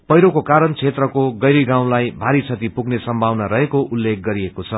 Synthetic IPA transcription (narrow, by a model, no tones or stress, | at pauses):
pʌjɾokokaɾʌnt͡sʰet̪rʌkoɡʌjɾiɡãw̃lajbʱaɾit͡sʰʌt̪ipuɡnesʌmbʱawnaɾʌɦekoʔulːek̚ɡʌɾiekot͡sʰʌ